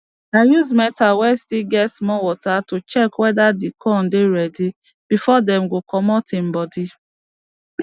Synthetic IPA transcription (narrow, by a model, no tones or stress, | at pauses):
ajuzmɛtawɛstiɡɛsmɔwɔtatʊt͡ʃɛkwɛdadɪkʰɔn̩dɪɾɛdi | b̥ifɔdɛm̩ɡokɔmɔtɪm̩bɔdi